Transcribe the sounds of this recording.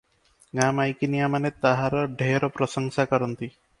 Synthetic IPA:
ŋamajkinijamanet̪aɦaɾɔɖʱeɾɔpɾɔsɔŋsakɔɾɔnt̪i

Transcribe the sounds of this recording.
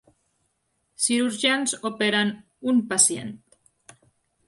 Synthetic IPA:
siɾuɾʒanzopeɾan | umpasjḛnt̪̚

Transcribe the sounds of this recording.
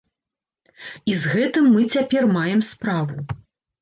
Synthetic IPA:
izɣɛt̪ɨmːɨt͡sʲapʲɛrmajɛmspɾavu

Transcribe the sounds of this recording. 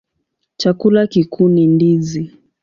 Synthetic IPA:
t͡ʃakulakikʰunindizi

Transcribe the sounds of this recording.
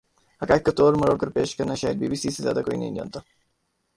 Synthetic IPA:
hɐkaːkːɐt̪oːɾmɐɾoːkəɾpeːʃkɐɾnaʃaːjəd̪̚biːbiːsiːsezja̰ːd̪akoːinɐ̰ɦḭnõ̰ːnt̪a

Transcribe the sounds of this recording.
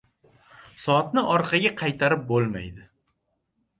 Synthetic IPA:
sɒt̪nɪʔɒɾqʰɑɡʲaqʰɑjt̪ʰaɾɪp̚bolˠma̰jd̪ɪ

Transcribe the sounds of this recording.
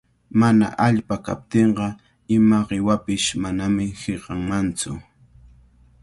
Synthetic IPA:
mana̰ʔaʎpaka̰p̚t̪eɴɢɑ | ɪmaɢɪwapɪʃmanamɪheɢɑŋmant͡sʊ̰

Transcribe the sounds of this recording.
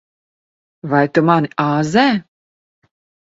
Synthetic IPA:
vajt̪umaniaːzɛː

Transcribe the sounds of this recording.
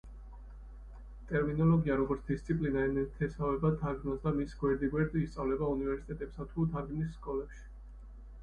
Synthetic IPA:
t̪ʼɛɾminɔlɔɡiaɾɔɡɔɾt̪sd̪̥ist̪sʰipʼlinaɛnɛt̪ʰɛsavɛbad̪ʰaɾɡnɔsd̪amisɡwɛɾd̪iɡwɛɾd̪iːst̪sʼavlɛbaunivɛɾsi̥t̪ʼɛt̪ʼɛpsat̪ʰud̪aɾɡnisːkʼɔlɛpʃi̥

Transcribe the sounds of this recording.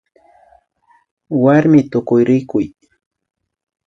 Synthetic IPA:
waɾmɪt̪ʊkʊjɾɪkʊj

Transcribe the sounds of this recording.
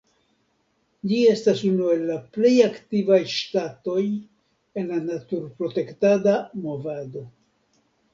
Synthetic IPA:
d͡ʒie̞stasunue̞lːaple̞jaktivajʃtato̞j | e̞nlanatuɾpɾo̞te̞ktadamo̞vado̞

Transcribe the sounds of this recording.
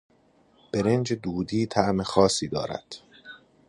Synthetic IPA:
b̥eɾend͡ʒed̪uːd̪iːt̪ʰæʔmexɒːsiːd̪ɒ̰ːɾæ̰d̪̥

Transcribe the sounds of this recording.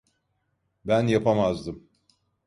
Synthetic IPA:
bænjapʰamazd̪ɯm

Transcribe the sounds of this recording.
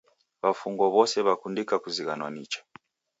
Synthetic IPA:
βafuŋɡɔβɔsɛβakundikakuziɣanwanit͡ʃḁ

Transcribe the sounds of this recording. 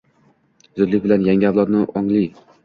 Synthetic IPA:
zʊd̪lɪk̚ʲbɪlanjaŋɡʲɪawlˠɒt̪nɪʔɒŋlɪ

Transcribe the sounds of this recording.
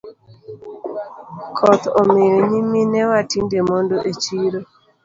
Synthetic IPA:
kʰɔt̪omejoɲiminɛwatindemondoʔet͡ʃiɾo

